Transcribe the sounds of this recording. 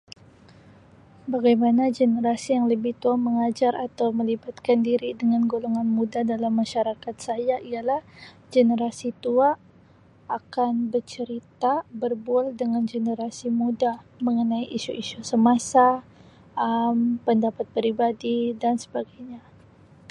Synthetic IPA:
baɡajmanad͡ʒenəɾasijaŋləbɪht̪uaməŋad͡ʒaɾat̪awməlibat̪̚kandiɾidəŋanɡoloŋanmudadalamːaʃaɾakat̪̚sajaijalah | d͡ʒenəɾasit̪uaː | kanbərt͡ʃəɾit̪abərbualdəŋand͡ʒenəɾasimudaməŋənaiʔiʃuʔiʃusəmasa | əmpəndapat̪̚pɾibadidansə̥baɡajɲa

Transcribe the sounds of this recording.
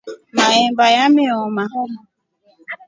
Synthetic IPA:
maembajamɪɔmaɦɔɾ

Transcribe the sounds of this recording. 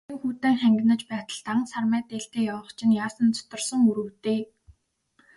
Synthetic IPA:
ŋxuːt̪eːŋχæŋɡʲɪ̆nə̆t͡ɕpæːt̪ə̆ɮt̪aŋsarmæːt̪eːɮt̪eːjawə̆χt͡ɕʰɪ̆njaːsə̆nt͡sʰʊ̥t̪ɞ̆rsə̆ŋuɾuːt̪eː

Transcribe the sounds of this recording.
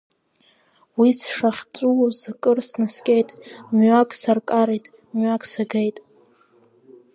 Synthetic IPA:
wisʂaχʲt͡sʷʼuzakʼɨrsnɨskʲʼejtʼmɥakʼsarkʼaɾejtʼ | mɥakʼsaɡejtʼ

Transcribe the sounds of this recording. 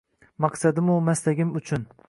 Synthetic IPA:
mɑqsad̪ɪmʊmaslaɡʲɪmʊt͡ʃʰʊn

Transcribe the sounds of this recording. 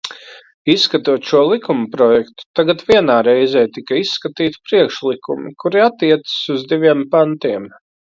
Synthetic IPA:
isːkat̪uɔt̪ʃuɔlˠikumpɾɔjɛkt̪u̥t̪aɡat̪viɛnaːɾɛjzɛːt̪ikaisːkat̪iːt̪i̥pɾiɛkʃlˠikumḭkuɾiat̪ːiɛt̪sə̥suzd̪iʋʲiɛmpant̪iɛm

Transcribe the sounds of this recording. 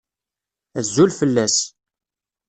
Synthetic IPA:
æzːulfəlːæs

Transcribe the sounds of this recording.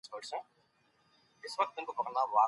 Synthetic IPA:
soːʈsẽ | ɪsʋɐk̚t̪ːʊmkopɐkəlnaʋaː

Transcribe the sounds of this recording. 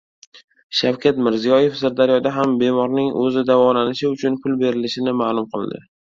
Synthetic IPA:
ʃawkʲʰat̪mɪɾzijɒje̞fsaɾd̪aɾjɒd̪aɦambe̞mɒɾnɪŋɵ̰zɪd̪avɒlanɪʃɪʊt͡ʃʰʊnpʰʊlbe̞ɾɪlɪʃɪnɪmaːlˠʊmqʰɨlˠd̪ɪ̰

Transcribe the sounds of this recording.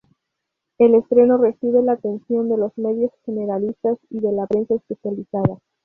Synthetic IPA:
e̞le̞st̪ɾe̞no̞re̞siβelaːt̪e̞nsjo̞nd̪e̞lo̞zme̞ðjo̞sxe̞ne̞ɾalist̪asiðe̞lapɾe̞nsaespe̞sjalisaða

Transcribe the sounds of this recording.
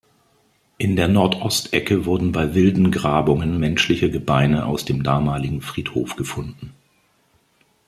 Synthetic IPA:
ʔɪndeːɐnɔɐtʰʔɔstʔɛkəvʊɐdn̩baɪvɪldn̩ɡʁaːbʊŋənmɛnʃlɪçəɡəbaɪnəʔa̰ʊsd̥eːmdaːmaːlɪɡŋ̩fʁ̥iːtho̰ːfɡ̥əfʊndn̩

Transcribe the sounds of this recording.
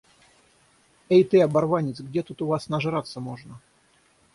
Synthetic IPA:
ejt̪ɨɐbɐrvanʲɪt̪sɡdʲet̪ut̪ʊvasnɐʐɨɾat̪sːəmoʐnə

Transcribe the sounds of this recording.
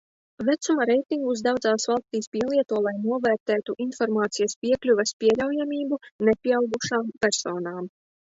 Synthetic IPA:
væt̪sumaɾɛjt̪iŋɡus̬d̪awd̪zaːsvalˠst̪iːspʲiɛlˠiɛt̪uɔlˠajnuɔvɛːɾt̪ɛːt̪uʔinfɔɾmaːt̪sijɐspʲiɛklʲuvɛspʲiɛʎʲawjamʲiːbunepʲiɛawɡuʃaːmpɛɾsoːnaːm

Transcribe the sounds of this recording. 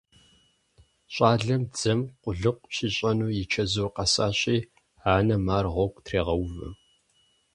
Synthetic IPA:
ɕʷʼaːɮɐmd͡zɐmqʷʊɮɨqʷʼʃiɕʼɐnuːjɪt͡ʃʰɐzoːqɐsaːɕʼiː | aːnɐmaːrʁʷɔkʷʼtʰreːʁɐwvɨ̰

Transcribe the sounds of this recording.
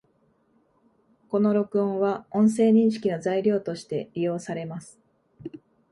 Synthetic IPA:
ko̞no̞ɾo̞kɯ̟õ̞ɰ̃βaõ̞ɰ̃se̞ːɲ̟ĩɲ̃ɕi̥kʲino̞zaiɾʲo̞ːt̪o̞ɕi̥t̪e̞ɾʲijo̞ːsaɾe̞masɨ̥

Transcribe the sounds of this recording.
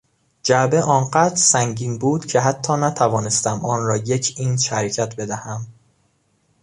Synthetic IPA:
d͡ʒæbe̞ʔɒːnɢæːd̪ɾsæŋɟiːnbuːd̪̥cʰe̞ɦæt̪ʰːɒːnæt̪ʰævɒːne̞st̪æmɒːnɾɒːje̞cʰiːnʃæɾecʰæt̪ʰbe̞d̪æhæm

